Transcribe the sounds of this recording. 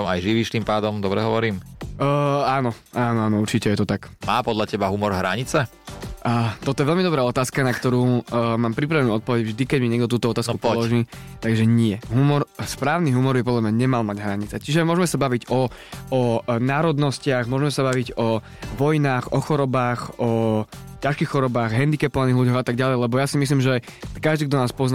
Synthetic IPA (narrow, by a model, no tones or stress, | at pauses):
majʒiʋiʃt̪impaːd̪ɔmd̪ɔbɾɛɦɔʋɔɾiːmː | aːnɔ | ʔaːnɔaːnɔuɾt͡ʃicɛjɛt̪ɔt̪akmaːpɔd̪ʎacɛbaɦumɔɾɦɾaɲit͡sɛ | ʔət̪ɔt̪ɔjɛʋɛlmid̪ɔbɾaːɔt̪aːskanakt̪ɔɾuːmaːmpɾip̬ɾaʋɛnuːɔt̪pɔʋɛɟvʒd̪ikɛɟmiɲɪɛɡ̚d̪ɔt̪uːt̪ɔɔt̪aːskku̥pɔlɔʒiːt̪aɡʒɛɲɪɛɦumɔɾspɾaːʊniɦumɔɾbjɛpɔd̪lamɲaɲɛmalmaɟɦɾaɲit͡sɛt͡ʃiʒɛmʊɔʒmɛsabaʋiɟɔɔnaːɾɔd̪nɔscɪaɣmʊɔʒmɛsabaʋiɟɔ | ʋɔjnaːxɔxɔɾɔbaːxɔcaʃkiːxxɔɾɔbaːɣɦɛnd̪ikɛpɔʋaniːɦluɟɔɣat̪aɡɟalɛjlɛbɔjasimis̬liːmʒɛkaʒd̪iːɡd̪ɔnaːspɔzn